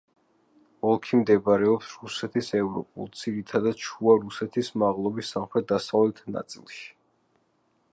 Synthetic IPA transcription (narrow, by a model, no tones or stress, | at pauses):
ɔlˠkʰimd̪ɛvaɾɛɔpsɾusɛt̪ʰisɛvɾɔ̰pʼṵlˠt̪sʰiɾit̪ʰad̪ad̪̥̚t͡ʃʰuaɾusɛt̪ʰismaʁlˠɔbisːamχɾɛt̪̚d̪asavlɛt̪ʰna̰t̪sʼḭlˠʃi̥